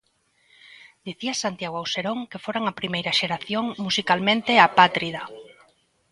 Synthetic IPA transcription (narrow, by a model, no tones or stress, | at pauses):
d̪̥iθiasant̪jaɣoawseɾoŋkefoɾaŋapɾimejɾɐʃeɾaθjoŋmusikalmẽnt̪eapat̪ɾiða